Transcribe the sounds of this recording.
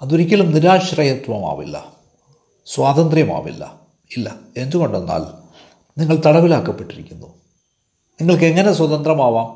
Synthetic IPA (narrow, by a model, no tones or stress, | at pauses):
ɐðoɾikʲːɐɭumniɾaːɕrɐjɐt̪wɐma̰ːʋḭlːɐ̰ | swaːt̪ɐnd̪rjɐma̰ːʋḭlːɐ̰ | ilːɐe̞nd̪uɣo̞ɳɖenːa̰ːl | niŋːɐɭt̪ɐɽɐʋilaːkːɐpːe̞ʈːiɾikʲːunːu | niŋːɐɭke̞ŋːɐne̞swɐðɐnd̪rɐmaːʋaːm